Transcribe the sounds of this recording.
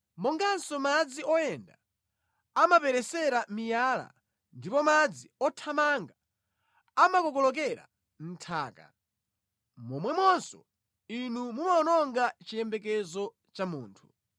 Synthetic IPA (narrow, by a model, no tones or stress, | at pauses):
mɔŋɡansɔmad͡ziɔjɛnda | amapɛɾɛsɛɾamijala̰ | ndipɔmad͡ziɔtʰamaŋɡa | amakɔkɔlɔk̬ɛɾa̰ | n̩tʰaːka̰ | mɔmwɛmwɔnsɔ̰ | inumumaɔnɔŋɡat͡ʃijɛmbɛk̬ɛzɔ | t͡ʃamuːntʰu̥